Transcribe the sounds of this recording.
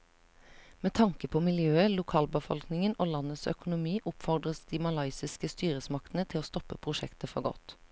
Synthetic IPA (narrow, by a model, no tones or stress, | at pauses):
meːt̪ʰɑŋkəpʰoːmɪljøːəlʊkʰɑːlbəfɔ̰lknɪŋənoːlɑnəsœ̰kʊnʊmiːʔʊpfɔʁd̪ʁəsd̪iːmɑlɑɪsɪskəst̪yːʁəsmɑkt̪n̩ət̪ʰɪloːst̪ɔpəpʰʁʊʃɛkt̪əfɔɡɔ̰t̪